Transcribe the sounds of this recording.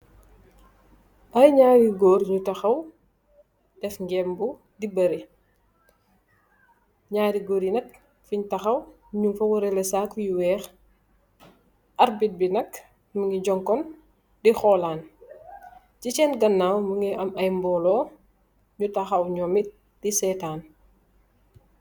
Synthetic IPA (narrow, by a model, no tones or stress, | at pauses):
ʔɐjɲaːɾiɡɔːɾɲutɐxɐw | d̥ɛfŋɡɛmbu | dibɐɾi | ɲaːɾiɡɔːɾinɐk̚ | fiɲtɐxɐw | ɲumfɐwɐɾɛlɛsaːkjiwɛːx | ʔɐɾbit̚binɐk | məŋɡiɟɔŋkɔn | dixɔːlaːn | cit͡ʃɛːnɡɐnːaːwməŋɡiʔɐmɐjmbɔːlɔː | ɲutɐxɐwɲɔːmit̚ | d̥isɛːtaːn